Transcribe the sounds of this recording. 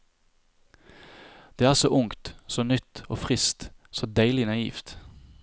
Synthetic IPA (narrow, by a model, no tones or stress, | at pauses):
d̪̥eːæːʁsoːʔʊŋkt̪soːnʏt̪oːfʁɪst̪soːd̪æɪlɪnɑḭːft̪